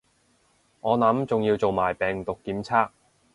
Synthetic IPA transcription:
ŋɔː˨˧nɐ˨˥mt͡sʊ˨ŋjiː˧wt͡so˨wmaː˨˩jpɛː˨ŋt̪ʊ˨kːiː˨˥mt͡sʰaː˥k̚

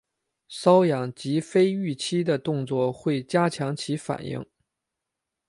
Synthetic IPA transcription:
sɑ˥ʊjɑ˨˩ŋt͡ɕi˧˥fe˥ɪy˥˩t͡ɕʰi˥d̪ə˨t̪ʊ˥˧ŋt͡swɔ˥˧xwe˥˩ɪt͡ɕja˥t͡ɕʰjɑ˧˥ŋt͡ɕʰi˧˥fa̰˨˩njḭ˥˩ŋ

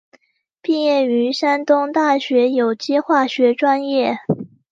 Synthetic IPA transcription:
pi˥˧jɛ˥˩ny˧˥ʂa˥nt̪ʊ˥ŋt̪a˥˩ɕɥɛ˧˥jo˨˩ʊt͡ɕi˥xwa˥˩ɕɥɛ˧˥ʈ͡ʂwa˥njɛ˥˩

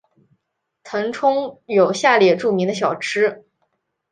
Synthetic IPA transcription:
t̪ʰɤ˧˥ŋʈ͡ʂʰʊ˥ŋjo˨˩ʊɕja˥˩ljɛ˨˩ʈ͡ʂu˥˩mi˧˥ŋd̪ə˧ɕ̬jɑ˨˩ʊʈ͡ʂʰɻ̩˥

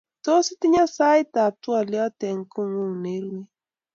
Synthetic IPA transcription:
to˦si˦ti˦ɲa˦sa˦e˦ta˨twɔ˨ljɔ˦tɛ˨ŋ˦ko˦ŋu˦˨ŋne˨˦ɾwe˦

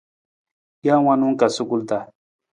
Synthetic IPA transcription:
ja˦wa˦nʊ˦ŋka˨sʊ˦kʊ˦lt̪a˨

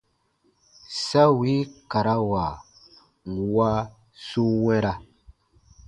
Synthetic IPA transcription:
sa˦wi˦ka˨ɾa˦wa˨ | ŋ˨wa˦ | su˦wɛ̃˦ɾa˦

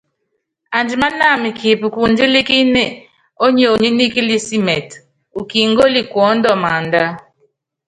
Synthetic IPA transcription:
a˨nd͡ʒi˨ma˦na˦˨mi˨kʰi˨pi˨ku˨nd͡ʒi˦li˦ki˦ne˦˨ | o˦ɲo˨ɲi˦ni˦ki˦li˦si˦mɛ˨t | u˨ki˨ŋɡo˦li˦˨kwɔ˨˦ndɔ˦ma˨nda˦

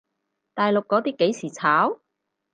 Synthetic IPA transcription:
t̪aː˨jlʊ˨kːɔː˨˥t̪iː˥kːe˨˥jsiː˨˩t͡sʰaː˨˥w

